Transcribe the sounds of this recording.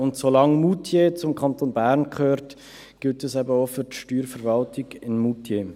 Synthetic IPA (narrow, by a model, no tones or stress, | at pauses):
ʊntsolɑŋmutʰjet͡sʊmkʰɑntonbæːɾnkʰχøːɾt | ɡ̥ɪltɛsɛbəofʏtʃtyːɾfəɾvɑltɪɡ̥ɪnmutʰje